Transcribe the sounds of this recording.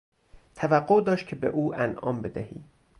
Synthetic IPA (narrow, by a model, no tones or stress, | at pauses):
t̪ʰævæɡːoʔd̪ɒːʃt̪̚cʰe̞bḛʔuːʔænʔɒ̰ːmbe̞d̪æhḭː